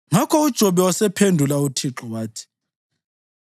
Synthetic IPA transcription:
ŋakʰɔud̥ʒ̥ʱɔɓɛwasɛpʰendʱulautʰiǁɔwaːtʰi̥

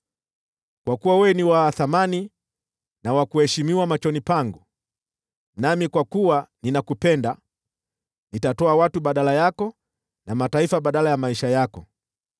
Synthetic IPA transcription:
kwakuwawɛniwaθamani | nawakuhɛʃimiwamat͡ʃɔnipaŋɡu | namikwakuwaninakupɛnda | nitatɔawatuɓaɗalajakɔ | namataifaɓaɗalajamaiʃajakɔ

